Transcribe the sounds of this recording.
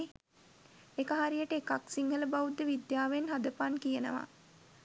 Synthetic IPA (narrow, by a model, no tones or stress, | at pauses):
ekəɦaɾijəʈəekaksiŋɦələbaʋud̪ːəʋid̪jaːʋenɦad̪əpankijənə̰ʋa̰